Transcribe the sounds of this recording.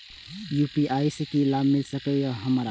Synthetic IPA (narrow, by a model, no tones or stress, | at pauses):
juːpiʔaːjsekilabmɪlsəkeɔɦəmaɾa